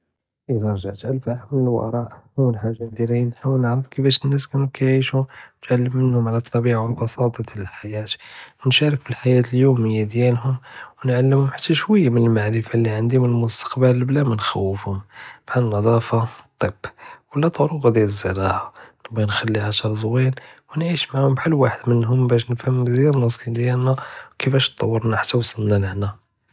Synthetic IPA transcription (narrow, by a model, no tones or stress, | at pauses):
ʔəd̪æɾˤʒaʕt̪ʕəlːfamənəlw̰ʔɾˤɑʔhuwːəlħaʒːad̪iɾinħawəlnəʕɾəfkəfæʃənːæskænukæjʕiʃut̪ʕalːəmːənhʊmʕalæt̪ˤːɑbiʕawlbɑsɑt̪ˤɑd̪iləlħajæt̪nʃæɾəkbilħajæt̪əljuməjːad̪jælɦʊmwnʕalːəmhʊmħḁt̪ʰːæʃwəjːamənəlmaʕɾəfalːiʕand̪imənəlmʊst̪ə̥qbəllblæmænxæwːəfhʊmbħannɑd̪ˤɑfɑt̪ˤːibwəlːæt̪ɑɾuqd̪jæləzːəɾˤɑʕanəbːɑnxælːiʕaʃəɾˤzwinwnʕiʃmaʕhʊmbħalːwaħəd̪mənɦʊmbæʃnəfhəmːzjæɾnːɑsˤid̪jælnæwkəfæʃt̪ˤːɑ̰wːəɾnaħḁt̪ːæwsˤəlnænəħnæ